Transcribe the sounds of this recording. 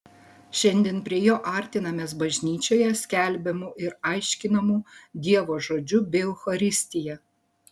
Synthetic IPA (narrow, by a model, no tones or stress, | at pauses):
ʃʲɛnʲd̪ʲɛːnpʲɾʲiɛjoːʔɐˑɾʲt̪ʲɪnɐmʲeːsbɐʒʲnʲiːt͡ʃʲoːjɛsʲkʲɛˑlʲbʲɛmuʔɪɾɐˑɪʃʲkʲɪnɐmuːd̪ʲiɛʋoːʒoːd͡ʒʲʊbʲɛʊxɐɾʲɪsʲt̪ʲɪjɛ